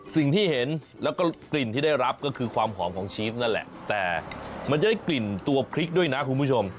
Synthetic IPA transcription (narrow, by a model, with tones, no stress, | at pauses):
si˨˩ŋt̪ʰiː˥˩he˩˦n | lɛː˦˥wkɔː˥˩kli˨˩nt̪iː˥˩da˥˩jɾa˦˥p̚kɔː˥˩kʰɯː˧kʰwaː˧mɦʰɔː˩˦mkʰɔː˩˦ŋt͡ɕʰiː˧˦˥t̪̚na˥˩nlɛ̰˨˩ʔt̪ɛː˨˩ma˧nt͡ɕa˨˩da˥˩jkli˨˩nt̪u˧ɐpʰɾi˦˥k̚du˥˩əjna˦˥kʰu˧nmʰu˦˥˩t͡ɕʰo˧m